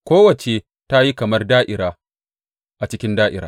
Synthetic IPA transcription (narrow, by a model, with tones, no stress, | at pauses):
kʷoː˦wɐ˨t͡ʃe˨ | ta˦ji˦kɐ˨mɐ˦rdaː˦ʔɪ˨ɾaː˦ | ʔa˨t͡ʃɪ˦kʲɪ˦ndaː˦ʔɪ̰˨ɾaː˦